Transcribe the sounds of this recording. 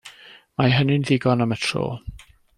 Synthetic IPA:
maɦənɪnðɪɡɔnamətʰro̰ː

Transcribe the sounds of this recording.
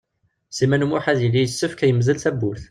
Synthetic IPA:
simænmuħaðjəlːijəsːəfkæjəmzəlθæbulθ

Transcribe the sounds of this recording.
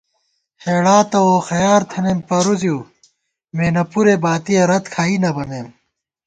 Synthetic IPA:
heːɽaːt̪ɐoxɐjaːɾt̪ʰɐnempɐɾuzijuː | meːnɐpuɾebaːt̪ijeɾɐt̪kʰaːinɐbɐnd̪eːm

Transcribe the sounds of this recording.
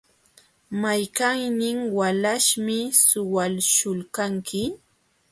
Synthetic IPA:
majkaŋnɪŋwalaʃmɪsʊwalʃʊlkaŋkʰɪ

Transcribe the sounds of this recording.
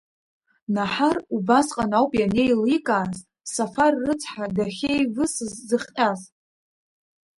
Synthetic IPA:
naħarubasqʼanawpʼjane̞jlikʼaːz | safarːɨt͡sʰʼħadaχʲejvɨszːɨχʲqʲʼaz

